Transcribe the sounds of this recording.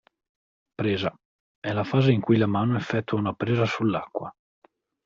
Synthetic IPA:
pɾeːza | ɛlafaːzeiŋkujlamaːnoefːɛt̪ːuaunapɾeːzasulːakːwa

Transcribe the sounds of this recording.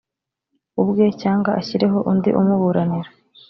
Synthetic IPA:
ubɡecaːŋɡaʔaçiɾe̞ɦo̞ʔundḭʔumuβuɾaniɾa

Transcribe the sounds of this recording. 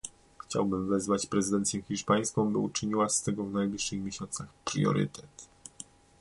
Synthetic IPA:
xt͡ɕa̰wbɘmvɛzvat͡ɕpɾɛzɨd̪ɛnt̪sʲjɛxʲiʂpaj̃skɔ̃w̃bɘut͡ʂɘɲiwast̪ɛɡɔvnajblʲiʂːɘxmʲjeɕɔnt̪saxpɾjɔ̰ɾɘ̰t̪ɛt̪

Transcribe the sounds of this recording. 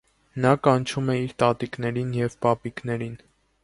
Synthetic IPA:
nɑkɑnt͡ʃʰumɛiɾt̪ɑt̪iknɛɾinjɛvpɑpiknɛɾin

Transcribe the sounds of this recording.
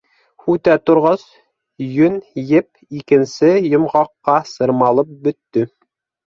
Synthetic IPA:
hʉt̪æt̪ŏɾʁɑs | jɵnjɘp̚ | ikɘ̆nsɘjŏmʁɑqːɑsɤ̆ɾmɑlˠɤp̚bɵ̆t̪ːɵ

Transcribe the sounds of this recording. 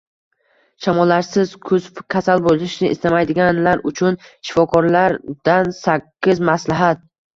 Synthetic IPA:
ʃʰamɒlːaɾsɪz̥kʰɵzkʲʰasalbolɪʃnɪʔɪ̰st̪amajd̪ɪɡʲanlaɾʊt͡ʃʰʊnʃɪ̥fɒkʰɒɾlaɾd̪̥ansakʲʰːɪzmaslaɦat̪̚

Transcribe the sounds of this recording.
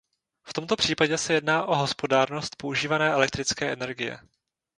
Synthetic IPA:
ft̪o̞mt̪o̞pr̝̥iːpaɟɛsɛjɛdnaːʔo̞ɦo̞spo̞daːɾno̞st̪̚pouʒiːvanɛːʔɛlɛk̚t̪ɾɪt͡skɛːʔɛnɛɾɡɪjɛ̰

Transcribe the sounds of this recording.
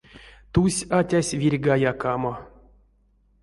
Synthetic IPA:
t̪usʲatʲasʲvʲirʲɡajakamo

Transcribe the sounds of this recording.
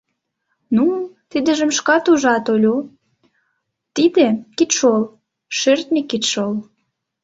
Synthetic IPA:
nut̪id̪ə̆ʒə̆mʃkɑt̪uʒɑt̪olʲo | t̪id̪ekit̪ʃol | ʃørt̪nʲikːit̪ʃol

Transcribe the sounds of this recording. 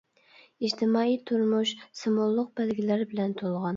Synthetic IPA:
id͡ʒt̪ʰɪmɑijt̪ʰʊɾmʊʃsɨmolˠːʊq̚b̥ælɡʲilæɾɪbɪlænt̪ʰolˠʁɑn

